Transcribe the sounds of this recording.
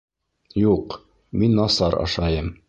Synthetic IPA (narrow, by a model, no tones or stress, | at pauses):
juq | minːɑsɑɾɑ̰ʃɑjɤm